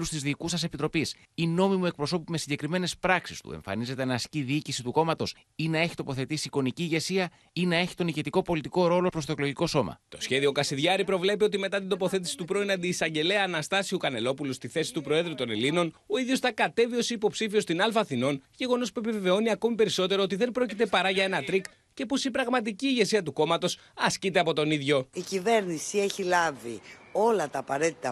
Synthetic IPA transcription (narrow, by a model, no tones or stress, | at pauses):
ust̪izðiːkusɐse̞pit̪ɾo̞pis | ino̞mimue̞k̚pɾo̞so̞pime̞siɲɟe̞kɾime̞ne̞spɾɐksist̪ṵḛɱfɐ̰nize̞t̪enɐsciðiicisit̪uko̞mɐt̪o̞s | inɐe̞çi̥t̪o̞po̞θe̞t̪isiko̞niciːʝe̞siɐ | inɐe̞çi̥t̪o̞niʝe̞t̪iko̞po̞lit̪iko̞ɾo̞lo̞pɾo̞st̪o̞klo̞ʝiko̞so̞mɐ̰t̪o̞sçe̞ðio̞kɐsiðʝɐɾipɾo̞vle̞piot̪ime̞t̪ɐt̪ind̪o̞po̞θe̞t̪̬i̥si̥t̪upɾo̞inɐnd̪iːsɐɲɟe̞leɐːnɐst̪ɐsiukɐne̞lo̞pulust̪iθe̞si̥t̪upɾo̞e̞ðɾut̪one̞lino̞no̞iðʝosθɐkɐt̪e̞vio̞sipo̞psifio̞st̪inɐlfɐθino̞nʝe̞ɣo̞no̞spuepive̞ve̞o̞niɐko̞mipe̞ɾiso̞t̪eɾoot̪iðe̞nbɾo̞cit̪e̞pɐɾɐʝɐe̞nɐt̪ɾik | ce̞po̞sipɾɐɣmɐt̪̬iciːʝe̞siɐt̪uko̞mɐt̪o̞s | ɐscit̪e̞ɐpo̞t̪o̞niðʝo̞icive̞ɾnisie̞çilɐvḭo̞lɐt̪ɐːpɐɾe̞t̪it̪ɐ